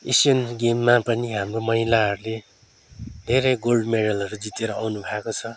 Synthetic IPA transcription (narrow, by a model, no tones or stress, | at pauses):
esjʌnɡemːapʌniɦamromʌɦilaɦʌɾule | d̪ʱeɾʌjɡolɖmeɽʌlʌɾud͡zit̪eɾʌawnubʱaekot͡sʰʌ